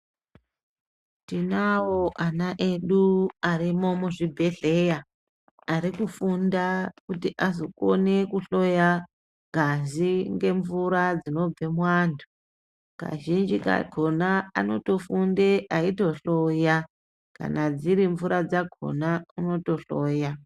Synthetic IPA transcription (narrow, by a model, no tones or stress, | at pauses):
tinawoʔanaʔe̞ɗuaɾimomuʐibʱe̞ɮe̞jaː | ɾikufundakutiʔazoko̰ne̞kuɬo̞ja | ɡʱaziŋɡe̞ɱvuɾad͡zino̞b͡ve̞mwaːndʰu | ka̰ʒind͡ʒika̰ɡʱonaano̞to̞fundeʔaito̞ɬo̞ja | ka̰nad͡ziɾiɱvuɾad͡zaɡʱo̰nauno̞to̞ɬoːja